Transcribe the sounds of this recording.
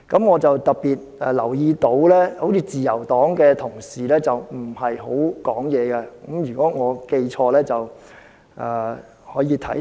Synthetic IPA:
kɐ˨˥mŋɔː˨˧t͡sɐ˨wt̪ɐ˨k̚piː˨t̚ɛ˨lɐ˨˩wjiː˧t̪o˨˥wlɛː˥ho˨˥wt͡sʰiː˧t͡siː˨jɐ˨˩wt̪ɔː˨˥ŋkɛː˧t̪ʰʊ˨˩ŋsiː˨lɛː˥t͡sɐ˨wm̩˨˩hɐ˨jɦo˨˥wkɔː˨˥ŋjɛː˨˧ɡɛ˧kɐ˨˦˥mjyː˨˩kɔː˨˥ŋɔː˨˧ke˧jt͡ʃʰɔː˧lɛː˥t͡sɐ˨w | ʔɛː˨ | hɔː˨˥jiː˧t̪ʰɐ̰˨˥

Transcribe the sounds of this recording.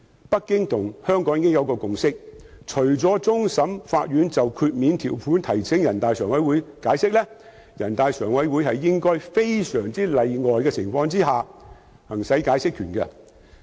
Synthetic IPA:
pɐ˥kːɪ˥ŋt̪ʰʊ˨˩ŋhœː˥ŋkɔː˨˥ŋiː˨˧kɪ˥ŋjɐ˨˧wkɔː˧kʊ˨ŋsɪ˥k̚ | t͡ʃʰɵ˨˩ɥt͡sɔː˨˥t͡sʊ˥ŋsɐ˨˥mfaː˧t̚ɥyː˨˥nt͡sɐ˨wkʰyː˧t̚miː˨˧nt̪ʰiː˨˩wpʰuː˨˥nt̪ʰɐ˨˩jsʰɪ˨˥ŋjɐ˨˩nt̪aː˨jsœː˨˩ŋwɐ˨˥jwuː˨˥jkaː˨˧˥jsɪ˥k̚lɛ˥ | jɐ˨˩nt̪aː˨jsœː˨˩ŋwɐ˨˥jwu˨˧˥jhɐ˨jːɪ˥ŋkɔː˥jfe˥jsœː˨˩ŋt͡siː˥lɐ˨jŋɔː˨jkɛː˧t͡sʰɪ˨˩ŋfɔː˧ŋt͡siː˥ɦaː˨ | hɐ˨˩ŋsɐ˨˥jkaː˨˥jsɪ˥kʰyː˨˩nkɛ˧

